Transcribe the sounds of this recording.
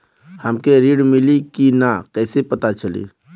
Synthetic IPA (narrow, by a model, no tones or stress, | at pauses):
həmkeɾiɖmilikinakɛːsepət̪at͡ʃəlḭː